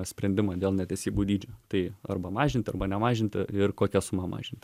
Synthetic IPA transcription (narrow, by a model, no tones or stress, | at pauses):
sʲpʲɾʲɛnʲd̪ʲɪmɑːd̪ʲeːlˠnʲɛt̪ʲɛɪsʲiːbuːd̪ʲiːd͡ʒʲʊːt̪ɐɪɐrbɐmɑːʒʲɪnt̪ʲɪɐrbɐnʲɛmɑːʒʲɪnʲt̪ʲɪɪrkoːkʲɛsʊmɑmɑ̰ːʒʲɪnʲt̪ʲ